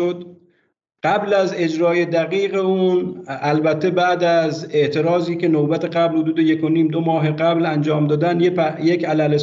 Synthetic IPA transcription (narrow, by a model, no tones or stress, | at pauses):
od̪ | ɢ̥æblæze̞d͡ʒɾɒːjed̪æɣiːɣeuːnælbæt̪ʰːebæːd̪æze̞ʔt̪ʰe̞ɾɒːziːke̞nobæt̪ʰe̞ɣæblhod̪uːd̪eje̞kʰoniːmd̪omɒːɦeɡæblænd͡ʒɒːmd̪ɒːd̪ænjejekælæles